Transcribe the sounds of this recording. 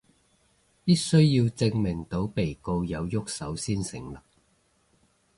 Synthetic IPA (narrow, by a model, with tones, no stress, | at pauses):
piː˥t̚sɵ˥ɥji˧wt͡sɪ˧ŋmɪ˨˩ŋt̪o˨˥wpe˨˩jko˧wjɐ˨˧wjʊ˥k̚sɐ˨˥wsiː˥nsɪ˨˥ŋlɐ˨˩k̚